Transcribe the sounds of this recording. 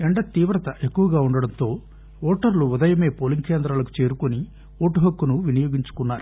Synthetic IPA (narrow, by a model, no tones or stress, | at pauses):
eɳɖɐt̪iːʋɾɐt̪ɐʔe̞kːuʋɐɡaːuɳɖɐɽɐnt̪o̞ː | oːʈɐɾluud̪ɐjɐme̞ːpoliŋkeːnd̪ɾaːlɐku̥t͡ʃe̞ːɾukoni | oːʈuɦɐkːunuʋinijoːɡiɲt͡ʃu̥kunːaːɾu